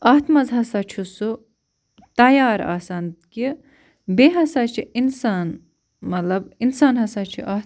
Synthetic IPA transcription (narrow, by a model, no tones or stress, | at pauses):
ɐːɦt̪mɐzɦɐsat͡ʃʰusu | t̪ɐjaːɾa̰ːsand̪ki | beɦɐsaːt͡ʃʰiinsaːn | mɐt̪lɐbinsaːnɦɐsaːt͡ʃʰḭʔɐt̪